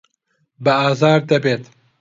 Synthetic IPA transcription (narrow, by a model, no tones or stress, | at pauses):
bɐɑːzɑːɾd̪ɐbeːt̪